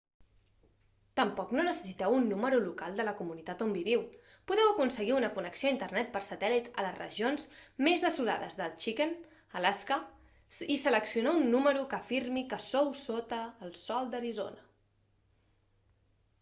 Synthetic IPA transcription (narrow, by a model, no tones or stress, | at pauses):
t̪əmpɔknonəsə̥sit̪ɛwunːuməɾulukalˠd̪ələkumunit̪at̪ombiβiw | puðɛwəkunsəɣiunəkunəksioaint̪ərnɛt̪̚pəɾsət̪ɛlit̪ələzrə̰ʒionzmezðəsula̰ðəzðəlˠt͡ʃikən | əlaskə | isələksiunaunːuməɾukəːfiɾmikəsowsot̪əːlˠsɔlˠd̪əɾizo̰nə